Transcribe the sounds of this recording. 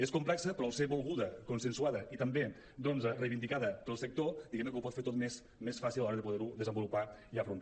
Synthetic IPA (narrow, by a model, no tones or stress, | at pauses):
eskumplɛksəpɾɔuseβolˠɣuðəkunsənsuaðəit̪əmbe | d̪ɔnzrejβind̪ikaðəpəlˠsək̚t̪od̪iɣɛmnkəupɔt̪feɾt̪ot̪mes | mesfasilalɔɾəðəpuðeɾuðəzəmbulupaiəfɾunt̪a